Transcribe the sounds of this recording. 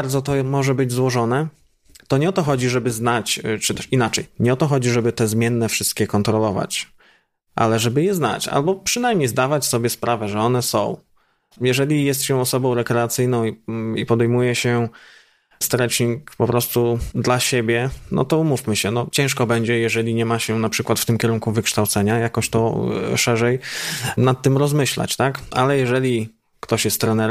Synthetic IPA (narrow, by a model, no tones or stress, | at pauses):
ɾd̪zɔt̪ɔmɔʐɛbɘd͡ʑzwɔʐɔnɛ | t̪ɔɲɛɔt̪ɔxɔd͡ʑiʐɛbɘznat͡ɕt͡ʂɨt̪ɛʂinat͡ʂɛjɲɛɔt̪ɔxɔd͡ʑiʐɛbɘt̪ɛzmʲjɛnːɛfʂɘst̪̚kʲɛkɔnt̪ɾɔlɔva̰t͡ɕ | ʔa̰lɛʐɛbɘjɛzna̰t͡ɕa̰lbɔpʂɘnajmɲejzd̪avat͡ɕsɔbʲjɛspɾavɛʐɛɔnɛsɔ̰̃w̃ | jɛʐɛlʲijɛst̪ɕɛ̃ɔsɔbɔ̃w̃ɾɛkɾɛat̪sɘjnɔ̃w̃iipɔd̪ɛjmujɛɕɛ | st̪ɾɛt͡ʂɲikpɔpɾɔst̪ud̪laɕebʲjɛnɔ̰t̪ɔumufmɘɕɛnɔt͡ɕɛ̃ʂkɔbɛɲd͡ʑɛjɛʐɛlʲiɲɛmaɕɛnapʂɘkwat̪ft̪ɘmkʲjɛɾuŋkuvɘkʂt̪awt̪sɛɲajakɔɕt̪ɔʂɛʐɛjnat̪ːɘmɾɔzmɘɕla̰t͡ɕt̪aka̰lɛjɛʐɛlʲi | kt̪ɔɕjɛst̪ːɾɛnɛɾ